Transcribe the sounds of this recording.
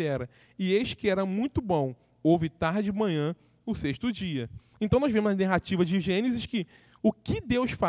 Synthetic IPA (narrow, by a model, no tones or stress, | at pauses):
ɛɾɐ | ɪeʃt͡ʃɪ̥kɪɛɾɐmũj̃t̪ʊbõw̃ | owvɪt̪aɾd͡ʒɪmɐ̃ɲɐ̃ | ʊseʃt̪ʊd͡ʒiɐẽt̪ɐ̃w̃nɔzvẽmʊzɐnaɦat͡ʃivɐd͡ʒɪʒẽnɪzɪʃkɪ | ʊkɪd̪ewsfa